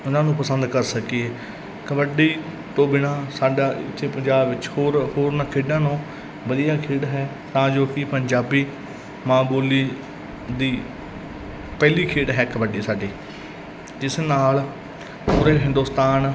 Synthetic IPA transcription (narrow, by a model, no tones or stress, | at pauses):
ʊnãːnũːpəsə̃nd̪kəɾsəkiɛː | kəbəɖiː | t̪õːbɪnãːsaːɖaːɪ̰t̪ʰːeːpəɲd͡ʒaːbʋɪt͡ʃhoːɾhoːɾnaːkʰeːɖãːnõː | ʋəd̪ijaːkʰeːɽɦɛː | t̪ãːd͡ʒoːkɪpəɲd͡ʒaːbiː | mãːboːliː | d̪iː | pɛːliːkʰeːʈɦɛːkəbəɖiːsaːɖiː | d͡ʒɪsnaːl | ɦoːɾeːɦɪ̃nd̪ʊːst̪aːn